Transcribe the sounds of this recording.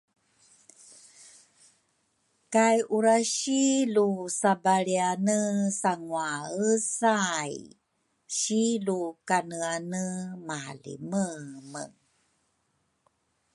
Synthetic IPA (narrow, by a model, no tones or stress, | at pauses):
kajʔuɾaɕilusabaɭianəsaŋwaəsaj | ɕilukanəanəmaa̰lḭməmə̰